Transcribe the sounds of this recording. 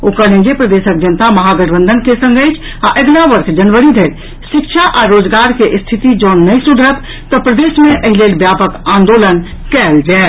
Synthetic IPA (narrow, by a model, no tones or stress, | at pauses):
okəɽẽd͡ʒepɾəd̪esək̚d͡ʒənt̪aməɦaɡəɽbə̃nd̪ʱənkesə̃ŋɡəjt͡ʃʰ | aʔeɡlaʋəɾkʰd͡ʒənʋəɾid̪ʱeɾ | ʃikʃʰaʔaɾod͡ʒɡaɾkeʔst̪ʰit̪id͡ʒənːəsud̪ʱɾət̪ː | əpɾəd̪esmẽʔəɦilelbjapəkãnd̪olən | kɛld͡ʒɛː